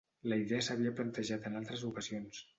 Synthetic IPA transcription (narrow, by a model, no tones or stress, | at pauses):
ləiðɛəsəβiəplənt̪əʒat̪ənalˠt̪ɾəzukəzions